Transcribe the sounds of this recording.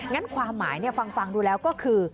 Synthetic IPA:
ŋa˦˥nkʰwaː˧mːa̰ː˩˦jni˥˩ɐfa˧ŋfa˧ŋduː˧lɛː˦˥wkɔː˥˩kʰɯː˧

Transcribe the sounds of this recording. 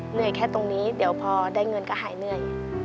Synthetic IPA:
nɯ˥˩əjkʰɛː˥˩t̪o˧ŋniː˦˥di˩˦əwpʰɔː˧daː˥˩jŋɤ˧nkaː˥˩ɦaː˩˦jnɯ˥˩əj

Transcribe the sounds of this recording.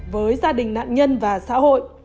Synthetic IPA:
vəː˨˦jzaː˧ɗï˨˩ŋ̟na̰ː˧˨nɲə˧nvaː˨˩sa̰ː˧˥ho̰˧˨j

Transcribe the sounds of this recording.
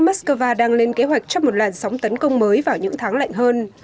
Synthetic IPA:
maː˦˥tskəː˧vaː˧ɗaː˧ŋle˧nke˨˦ɦwa˨˩jk̚t͡ɕɔ˧ŋ͡mmo˨˩t̚laː˨˩nsɔ˨˦wŋ͡mt̪ə˨˦nkə˧wŋ͡mməː˨˦jvaː˨˩wɲɨ̰˧˥ŋt̪ʰaː˨˦ŋla̰˧˨jŋ̟ɦəː˧n

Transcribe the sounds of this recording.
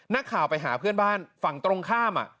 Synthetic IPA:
na˦˥kʰːaː˨˩wpa˧jɦaː˩˦pʰɯ˥˩ənbaː˥˩nfa˨˩ŋt̪ɾo˧ŋkʰaː˥˩mʔa̰˨˩ʔ

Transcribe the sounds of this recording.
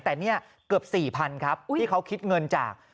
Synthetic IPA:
t̪ɛː˨˩ni˥˩ɐ | kɯ˨˩əp̚siː˨˩pʰa˧nkʰa˦˥p̚iː˥˩kʰa˦˥wkʰi˦˥t̪̚ŋɤ˧nt͡ɕa̰ː˨˩k̚

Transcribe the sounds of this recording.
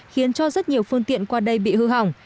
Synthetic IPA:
xi˨˦ənt͡ɕɔ˧zə˦˥t̚ɲi˨˩əwfɨ˧əŋt̪ḭ˧˨ənkwaː˧ɗə˧jɓḭ˧˨hɨ˧ɦa˨˩wŋ͡m

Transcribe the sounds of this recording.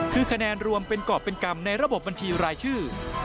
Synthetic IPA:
kʰɯː˧kʰa˧nɛː˧nɾu˧əmpe˧nkɔː˨˩p̚ːe˧nka˧mna˧jɾa˧bo˨˩p̚ba˧nt͡ɕʰiː˧ɾaː˧jt͡ɕʰɯː˥˩

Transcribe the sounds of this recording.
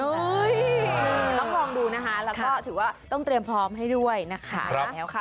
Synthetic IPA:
jɤː˧t̪ɔ˥˩lɔː˧ŋduː˧na˦˥kʰa˦˥lɛː˦˥kɔː˥˩t̪ʰɯː˩˦waː˥˩t̪ɔ˥˩ŋt̪ɾi˧əmpʰɾɔː˦˥mɦa˥˩jdu˥˩əjna˦˥kʰa̰˦ɾa˦ɛː˦wkʰa˦˥˩

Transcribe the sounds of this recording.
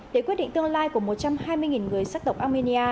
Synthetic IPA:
ɗe˧˩kwi˦˥t̚ɗ̰ŋt̪ɨ˧əŋlaː˧jku˧˩əmo˨˩t̚t͡ɕa˧mhaː˧jmɨ˧əjŋi˨˩nŋɨ˨˩əjsaː˦˥k̚ɗə˨˩wk͡p̚ʔaː˧mi˧ni˧ʔaː˧

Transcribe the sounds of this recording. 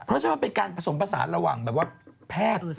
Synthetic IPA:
pʰɾɔ˦˥t͡ɕʰa˥ma˥˩pe˧nkaː˧npʰɾa˧so˩˦mpɾa˧sa̰ː˩˦nɾa˧wa̰ː˨˩ŋbɛː˨˩p̚waː˥˩pʰɛː˥˩t̪̚

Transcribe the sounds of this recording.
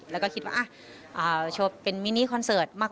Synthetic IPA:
lɛː˦˥wkɔ˥˩ki˦t̪wa̰ː˥˩ʔa˧˩ | ʔɤː˨˩t͡ɕʰoː˧˩pːe˧nmiː˦˥niː˦˥˩kʰɔ˧nsɤː˨˩t̪̚maː˥˩k̚

